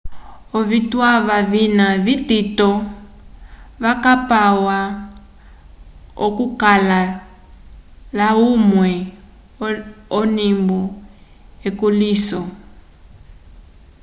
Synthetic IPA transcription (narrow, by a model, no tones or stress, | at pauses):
ɔβitwaβaβinaβititɔ | βakapawa | ɔ̰kukala | laumwɛ | ɔnimbɔ | ekuliːsɔ